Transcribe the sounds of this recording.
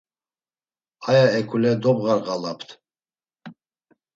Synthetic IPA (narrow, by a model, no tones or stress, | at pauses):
ajaɛkʰʼulɛd̪ɔbɣaɾɣalapʰt̪ʰ